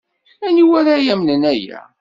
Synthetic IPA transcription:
æniwæɾajæmnənæjæ̰

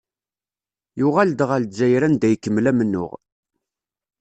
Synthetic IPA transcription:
jʊʁæld̪ʁæld̪d͡ʒæjɾænd̪æjkːəmːlæmənːʊ̰ʁ

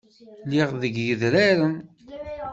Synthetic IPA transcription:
liʁðəɡjəðɾaɾən

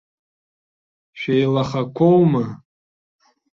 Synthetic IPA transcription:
ʃᶣejlaχakʷʰowma

